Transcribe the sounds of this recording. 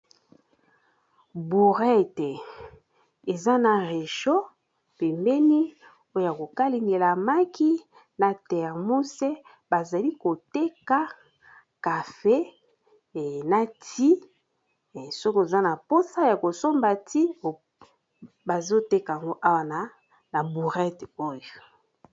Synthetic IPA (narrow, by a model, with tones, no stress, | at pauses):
bu˨ʁɛ˦te˨ | e˨za˦na˨ʁe˨ʃo˦ | pe˨mbɛ˦ni˦ | o˦o˨ja˨ko˨ka˦li˨ŋɡe˨la˨ma˦ki˦ | na˨tɛ˨ʁmu˦se˦ | ba˨za˨li˦ko˨te˦ka˦ | ka˨fe˦˨ | na˨tʰi˦˨ | so˦ko˦˨za˦na˨po˦sa˦ja˨ko˨so˦mba˨ti˦o˨ | ba˨zo˦te˦ka˨a˨ŋɡo˦ʔa˦wa˨na˦ | na˨bu˨ʁɛ˦to˦jo˨